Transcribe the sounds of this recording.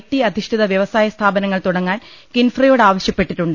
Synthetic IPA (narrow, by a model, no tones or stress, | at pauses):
tːiɐd̪ʱiʂʈʰiðɐʋjɐʋɐsaːjɐst̪ʰaːbɐnɐŋːɐɭt̪uɽɐŋːaːnkinfrijo̞ːɽaːʋɐɕjɐpːe̞ʈːiʈːuɳɖɨ